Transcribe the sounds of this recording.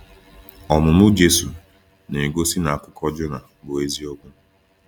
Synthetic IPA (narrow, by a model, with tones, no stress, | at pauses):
ɔ˨mʊ˨mʊ˦d͡ʒe˦su˨ | ne˨ɡo˦si˦na˨a˨kʷʊ˦kʰɔ˦d͡ʒʊ˦na˨ | bo˨e˦zi˦ɔ˦ɡʊ˦